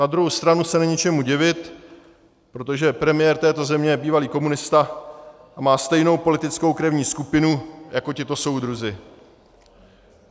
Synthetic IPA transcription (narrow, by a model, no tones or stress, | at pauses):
nad̪ɾuɦowst̪ɾanusɛnɛɲɛt͡ʃɛmuɟɪvɪt̪ | pɾo̞t̪oʒɛpɾɛmɪjɛːɾt̪ɛːt̪o̞zɛmɲɛjɛbiːvaliːko̞munɪst̪aʔamaːst̪ɛjno̞wpo̞lɪt̪ɪt͡sko̞wkɾɛvɲiːskupɪnujako̞cɪt̪o̞so̞wd̪ɾuzɪ